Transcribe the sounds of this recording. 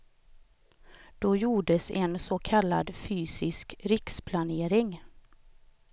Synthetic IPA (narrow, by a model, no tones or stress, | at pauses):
d̪̥ɔjuːɖəsɛnsɔkʰalːa̰d̪fyːsɪskɾɪkspʰlaneːɾɪŋ